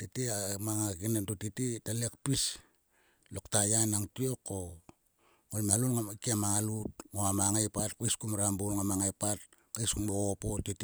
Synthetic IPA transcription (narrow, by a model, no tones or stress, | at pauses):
titiamaŋakinentotititalekpis | loktajanaŋtio̞kːo̞ | ŋojmalonŋakiamaŋalut̚ŋoamaŋajpatkajskumɾambulŋamaŋajpat̚ | kajskuŋboopotiti